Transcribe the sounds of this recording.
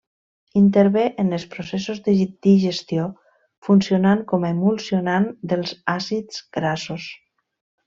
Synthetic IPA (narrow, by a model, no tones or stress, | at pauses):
int̪əɾβeʔənəlˠspɾosesozd̪əd̪iʒest̪io | funsionaŋkɔmemulˠsionand̪əlˠzasidd͡zɡɾasos